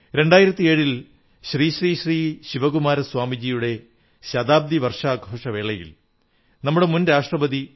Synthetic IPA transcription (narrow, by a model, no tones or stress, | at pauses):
ɾe̞ɳɖaːjiɾɐt̪ːie̞ːɻil | ɕriːɕriːɕriːɕiʋɐɣumaːɾɐswaːmid͡ʑijuɽe̞ | ɕɐd̪aːb̚d̪iʋɐrʂaːɡʱoːʂɐʋe̞ːɭɐjḭl | nɐmːuɽe̞munɾaːʂʈrɐbɐd̪i